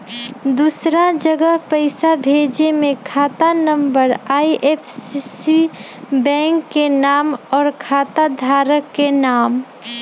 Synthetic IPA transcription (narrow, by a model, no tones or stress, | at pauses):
d̪uːsɾad͡ʒəɡəɦpəɪsabʱeːd͡ʒemẽkʰaːt̪anəmbəɾaːiʔepʰsisi | bɛ̃ːŋkːenaːmɔːɾkʰaːt̪ad̪ʱaːɾəkːenaːm